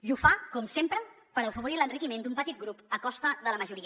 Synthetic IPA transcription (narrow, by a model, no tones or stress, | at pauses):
ʒufakɔmsempɾə | pəɾəwfəβuɾilənrikimend̪umpət̪it̪̚ɡɾupəkɔst̪əðələməʒuɾiə